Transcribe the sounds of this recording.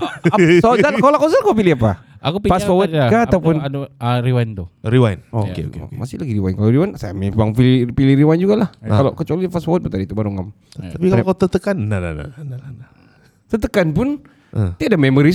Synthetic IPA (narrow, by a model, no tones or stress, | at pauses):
soakolakosakop̬ilihapaakupifasfawət̪kaat̪awpʊnaɾiwajnt̪ʊɾiwajnɔo̰kḛo̰ḛkemasɪlaɡiɾiwainkalaɾiwansajamiaŋpilpiliɾiwajnd͡ʒuɡalahkalakət͡ʃualifasfawət̪̚bət̪adit̪ubaɾuŋam | t̪apikakat̪ət̪əkanːana̰na̰ananana | t̪ət̪əkanpʊn | ʔət̪iadamemoɾi